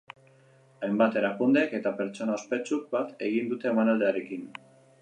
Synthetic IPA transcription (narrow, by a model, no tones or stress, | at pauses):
ajmbat̪e̞ɾakund̪e̞ke̞t̪ape̞ɾt͡ʃo̞naospe̞t͡suk̚bat̪e̞ɣ̞ind̪ut̪e̞ːmanald̪e̞aɾe̞kin